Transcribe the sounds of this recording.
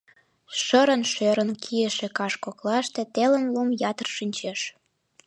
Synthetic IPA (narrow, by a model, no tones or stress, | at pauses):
ʃəɾənʃøɾənkʰiəʃĕkɑʃkoklɑʃt̪et̪elə̆nlumjɑt̪ə̆rʃynʲt͡ɕeʃ